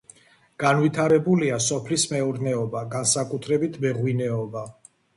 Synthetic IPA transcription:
ɡ̥anvit̪ʰaɾɛbuliasɔpʰlismɛɔɾnɛɔbaɡansakʼut̪ʰɾɛbit̪ʰbɛʁwinɛɔba

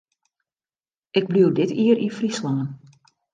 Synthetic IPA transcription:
ɪɡ̚bliwdɪtiəɾʔifrislaːn

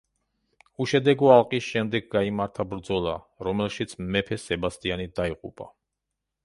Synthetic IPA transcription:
uʃɛd̪ɛɡɔalˠqʼisʃɛmd̪ɛɡɡaimaɾt̪ʰabɾd̪zɔlˠa | ɾɔmɛlˠʃit̪sʰːɛpʰɛsɛbast̪ʼianid̪aiqʼṵpʼa̰

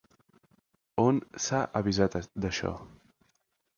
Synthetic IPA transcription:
onsaʔəβizat̪d̪əʃɔ̰

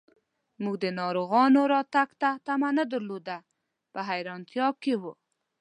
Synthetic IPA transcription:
muɡd̪ənɑɾoɣɑnoɾɑt̪aɡt̪at̪amanəd̪əɾlod̪a | pəɦajɾɑnt̪jɑkewu

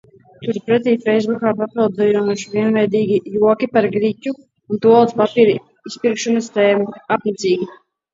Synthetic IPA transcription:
t̪uɾpɾɛt̪̬iːfɛjzbukaːpapilˠd̪zɛjumuʃviɛnvɛjd̪iːɡʲijuɔkipaɾɡɾicʲu | unt̪uɔlˠt̪spapiːɾ | ispiɾkʃɔnast̪ɛːmuapnit̪siːɡʲi

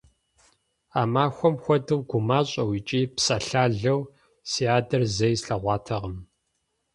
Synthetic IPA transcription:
aːmaːxʷɔmxʷɔdɨwɡʷʊmaːɕʼɐwit͡ʃʼiːpsɐɬaːɮɐw | siaːdɐrzɐjsɬɐʁʷɑːtʰɐʁəm

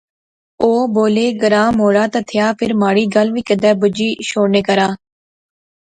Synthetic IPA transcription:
oːboːleːɡəɾaːmɦoːɽaːt̪at̪ʰɪjaːpʰɪɾmaːɽiːɡəlʋiːkəd̪ɛːbʊd͡ʒiːʃoːneːkəɾaː

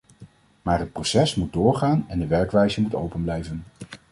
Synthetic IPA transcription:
maːrɦət̚prowsɛsmud̚dʊːɹχaːnɛndəʋɛɹkʋɛjzəmuto̰wpənblɛjvən

